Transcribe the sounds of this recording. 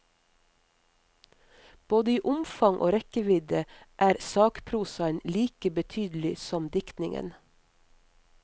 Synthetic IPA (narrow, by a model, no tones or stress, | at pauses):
b̥oːd̪əiːʔʊmfɑŋʔo̰ːɾɛkəʋɪd̪əʔæːɾsɑːkpʰɾuːsɑənliːkəbət̪ʰyːd̪l̩ɪsɔmd̪ɪkt̪nɪŋə̰n